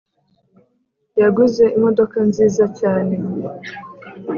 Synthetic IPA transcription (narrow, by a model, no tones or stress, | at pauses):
jaɡuze̞ʔimo̞do̞kanziːzacaːne̞